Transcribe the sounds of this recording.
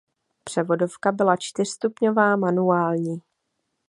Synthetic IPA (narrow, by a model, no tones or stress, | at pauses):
pr̝̥ɛvo̞do̞fkabɪlat͡ʃt̪ɪr̥st̪upɲo̞vaːmanuaːlɲiː